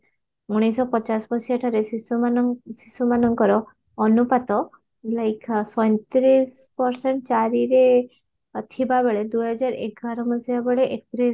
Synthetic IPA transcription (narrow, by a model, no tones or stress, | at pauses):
uɽ̃isɔpɔt͡ʃasbɔsijaʈʰaɾesusisumanɔŋkɔɾɔː | nupat̪ɔ | lajksɔjnt̪ɾis | pɔɾseɳʈ̚t͡ʃaɾiɾe | t̪ʰibabeɭed̪uɦɔd͡ʒaɾeɡaɾɔbɔsibabeɭeʔek̚p̪ɾi